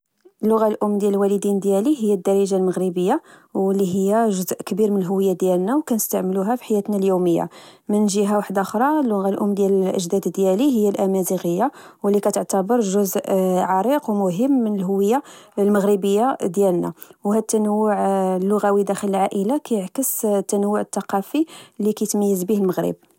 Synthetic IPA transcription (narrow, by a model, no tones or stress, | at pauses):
əlːʊɣalʔʊmːd̪jællwæləd̪ind̪jæliɦəjːæd̪ːɑɾˤiʒalməɣɾəbəjːawəlːiɦəjːæʒʊzʔkəbiɾmənəlɦʊwːəjːad̪jælnæwkænəst̪aʕməluɦæfi̥ħajːæt̪næljuməjːa̰mənʒiɦawaħd̪axɾˤɑlːʊɣalʔʊmːd̪jæləlʔə̰ʒd̪æd̪d̪jæliɦəjːælʔæmæziɣəjːawəlːikæt̪əʕt̪əbəɾˤʒʊzʔʕɑɾˤiqwmʊɦəmːənəlɦʊwːəjːalməɣɾəbəjːad̪jælnæ̰whæt̪ːænəwːʊʕlːʊɣæwid̪æxələlʕaʔəlakæjəʕkəst̪ːænəwːʊʕət̪ːɑqɑfilːikæjt̪mæjːəzbihəlməɣɾə̰b̚